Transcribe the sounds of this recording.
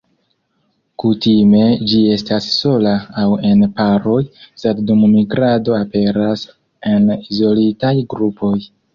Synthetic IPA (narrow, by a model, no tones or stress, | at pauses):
kutime̞d͡ʒie̞stasːo̞laːwe̞npaɾo̞jse̞ddummiɡɾado̞ape̞ɾas | e̞nizo̞litajɡɾupʰo̞j